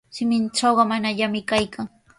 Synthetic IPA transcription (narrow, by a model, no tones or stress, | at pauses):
ʃɪmɪnt͡ʃɑwɢɑmanaʎamɪkajkʰaŋ